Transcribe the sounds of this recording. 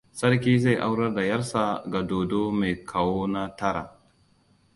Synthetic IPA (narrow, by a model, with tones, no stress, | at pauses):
sɐ˦ɾki˦za˦˨jʔa˦wɾɐ˦ɾda˨jɐ˦ɾsa˦ɡa˨do˨do˦me˨kʰa˨wo˦na˦ta˦ɾa˨